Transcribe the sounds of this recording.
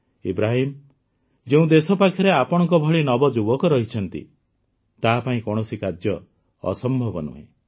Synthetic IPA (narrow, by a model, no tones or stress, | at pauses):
ḭbɾaɦim | d͡ʒeũd̪esɔpakʰjɔɾeapɔɽ̃ɔ̃ŋk̬ɔbʱɔɭinɔbɔd͡ʒubɔkɔɾɔɦit͡ʃʰɔnt̪ḭ | t̪apaĩkɔɽ̃ɔsikad͡ʒjɔ̰ː | sɔmbʱɔbɔnṵɦḛ̃